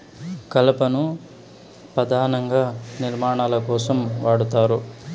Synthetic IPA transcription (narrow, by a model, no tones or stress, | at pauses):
kɐlɐpɐnu | pɾɐd̪ʱaːnɐŋɡaːniɾmaːɳaːlɐkɔːsɐmʋaːɽut̪aːɾu